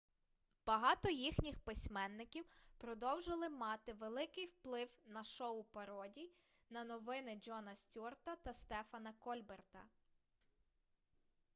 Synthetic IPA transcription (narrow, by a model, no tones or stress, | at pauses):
b̥ɐɦɑt̪ɔjixnʲixpɪsʲmɛnːɪkʲiwpɾɔd̪ɔwʒɪlˠɪmɑt̪ɪʋelˠɪkɪjwplˠɪwnɐʃɔʊpɐɾɔdʲi | nɐnɔʋɪnɪd͡ʒɔnɐsʲtʲurt̪ɐt̪ɐst̪ɛfɐnɐkɔlʲbert̪ɐ̰